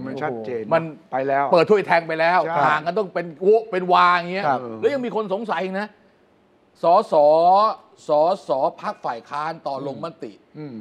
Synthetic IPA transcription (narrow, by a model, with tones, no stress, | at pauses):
ma˧nt͡ɕʰa˦t͡ɕeː˧nma˧npa˧jlɛː˦˥wpɤː˨˩t̪ʰːu˥˩˨jt̪ʰɛː˧ŋpa˧jlɛː˦˥waː˨˩k̚ka˧nt̪ɔ˥˩ŋpe˧nko˦˥pe˧nwaː˧˩ŋŋi˦˥lɛː˦˥wja˧ŋmiː˧kʰo˧nso˩˦ŋsa˨˩˦jʔi˧na˦˥ | sɔː˩˦sɔː˩˦ | sɔː˩˦sɔː˩˦pʰa˦˥k̚faː˨˩jkʰaː˦˥˩nt̪ɔː˨˩lo˧ŋma˦˥t̪ḭ˨˩ʔ